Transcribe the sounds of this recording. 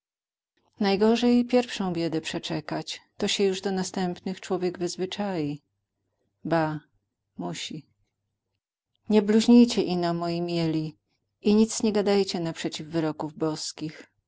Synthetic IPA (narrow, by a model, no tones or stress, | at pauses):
najɡɔʐɛjpʲjɛɾfʂɔ̃w̃bʲjɛd̪ɛpʂɛt͡ʂɛkat͡ɕt̪ɔɕɛjuʐd̪ɔnast̪ɛmpnɘxt͡ʂwɔvʲjɛɡvɘzvɘt͡ʂaji | ba | muɕi | ɲɛbluʑɲijt͡ɕɛʔinamɔjimʲjɛlʲi | iɲit̪sɲɛɡad̪ajt͡ɕɛnapʂɛt͡ɕivvɘɾɔkuvbɔskʲix